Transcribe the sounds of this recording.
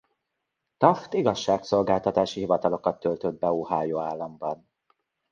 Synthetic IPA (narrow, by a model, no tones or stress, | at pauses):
t̪ɒft̪iɡɒʃːaːkso̞lɡaːlt̪ɒt̪aːʃiɦivɒt̪ɒlo̞kɒt̪ːølt̪ød̪̚bɛoːɦaːjoːaːlːɒmbɒn